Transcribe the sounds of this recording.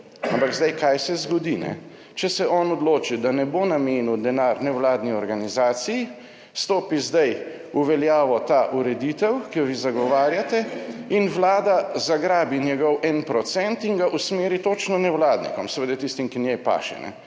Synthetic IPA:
ampaɡzd̪ajkajsɛzɡɔd̪inɛ̰ | t͡ʃɛsɛʔɔnɔd̪loːt͡ʃid̪anɛbonameːnud̪ɛnaɾnɛwlaːd̪niɔɾɡanizaːt̪siji | st̪oːpizd̪aj | uʋɛljaːʋɔt̪aʔuɾɛd̪it̪ɛwkijɔʋizaɡɔʋaːɾjat̪ɛinʋlaːd̪azaɡɾaːbinjɛɡɔwʔɛnpɾɔt̪sɛnt̪iŋɡaʔusmeːɾit̪oːt͡ʃnɔnɛwlaːd̪nḭkɔmsɛʋed̪at̪ist̪imkinjɛjpa̰ːʃɛ̰nɛ̰

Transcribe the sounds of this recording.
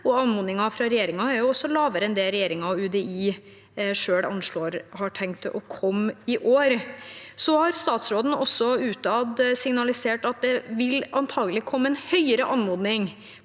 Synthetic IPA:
ɔɑnmuːd̪nɪŋɑfɾɑɾɛjeːɾɪŋɑæɾjʊɔsːɔlɑːʋəɾəɛnd̪eɛːɾɛjeːɾɪŋɑɔʉd̪ɛiː | ʂøːɽɑ̰nʂloːɾhɑʈʰɛŋkt̪ɔkʰɔmːɪʔoːɾsɔhɑɾst̪ɑːt̪sɾoːd̪n̩ɔsːɔʉːt̪ɑd̪sɪŋnɑlɪseːʈɑt̪̚d̪ɛʋɪlɑnt̪ʰɑːɡəlɪkʰɔmːəɛnhœʏəɾəʔɑnmoːd̪nɪŋ

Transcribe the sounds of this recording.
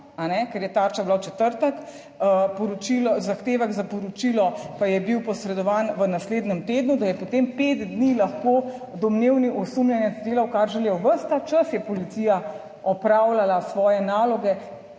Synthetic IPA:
anɛkɛɾjɛt̪aːɾt͡ʃablawt͡ʃɛt̪əɾt̪ək | əpɔɾɔt͡ʃilɔzaxt̪eːʋɛɡzapɔɾɔt͡ʃilɔpajɛbiwpɔsɾɛd̪ɔʋaːnʋənasleːd̪nɛmt̪eːd̪nud̪ajɛpot̪empeːt̪d̪nilaxkoː | d̪ɔmneːwniʔɔsumlʲjɛnjɛzd̪eːlawkaɾʒɛlewʋəɾst̪at͡ʃɐsjɛpɔlit̪sija | ɔpɾawlalasʋɔːjɛnaːlɔɡɛ

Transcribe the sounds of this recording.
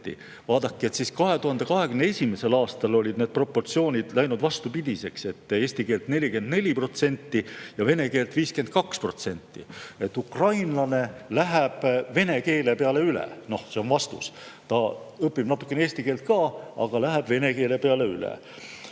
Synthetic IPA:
ḭ | vɑːd̪̥ɑkːˑie̞t̪siskɑɦe̞t̪uhɑnd̪e̞kɑɦe̞ɡ̥ymneesʲimese̞lɑːst̪ɑlo̞lʲid̪ned̪̥̚pro̞pːo̞rt̪sio̞ːnʲid̪̥læjnud̪vɑst̪upid̪̥ʲise̞kse̞t̪ːˑe̞ːst̪ike̞ːlt̪ne̞lʲikend̪ne̞lʲipro̞t̪se̞nʲt̪ːijɑve̞ne̞ke̞ːlt̪viːske̞nt̪̚kɑkspro̞̰t̪se̞nʲt̪ːḭe̞t̪ːˑukrɑjnlɑne̞læɦæb̥ve̞ne̞ke̞ːle̞peɑle̞ylḛno̞hseo̞nvɑst̪ṵst̪ɑɤpːibnɑt̪ːˑu̥kːeeeːsʲt̪ike̞ːlt̪̚kɑːɑ̰ɡ̥ɑlæɦæb̥ve̞ne̞ke̞ːle̞peɑle̞ylḛ

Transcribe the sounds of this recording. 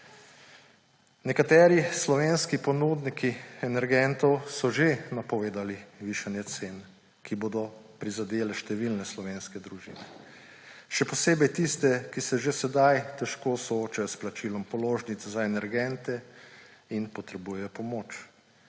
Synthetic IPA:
nɛkat̪ɛːɾislɔʋeːnskipɔnuːd̪nikiɛnɛɾɡɛnt̪ɔwsɔʒenapɔʋeːd̪aliʋiʃanjɛt̪seːn | kiboːd̪ɔpɾizad̪eːlɛʃt̪ɛʋilnɛslɔʋeːnskɛd̪ɾuʒḭnɛ | ʃɛpɔseːbɛjt̪ist̪ɛkisɛʒesɛd̪ajt̪ɛʃkoːsɔoːt͡ʃajɔsplat͡ʃilɔmpɔloːʒnit̪sɛzaɛnɛɾɡɛnt̪ɛ | inpɔt̪ɾɛbuːjɛjɔpɔmoːt͡ʃ

